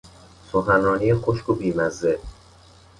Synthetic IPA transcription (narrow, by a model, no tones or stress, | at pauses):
soxænrɒːniːjexoʃkʰobiːmæzːe